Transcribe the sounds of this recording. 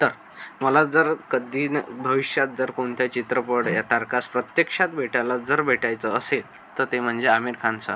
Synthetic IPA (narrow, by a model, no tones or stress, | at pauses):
t̪əɾ | məlad͡zəɾkəd̪iːnbʱəʋiɕjat̪̚d͡zəɾkoɳt̪jat͡ɕit̪ɾəpəɽjat̪aɾkaspɾət̪jekʂat̪bʱeʈalad͡zəɾbʱeʈajt͡səːsel | t̪əɾt̪em̤əɳd͡zeamiɾkʰansa̰